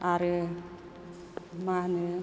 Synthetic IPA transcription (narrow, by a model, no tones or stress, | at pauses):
aɾe | mane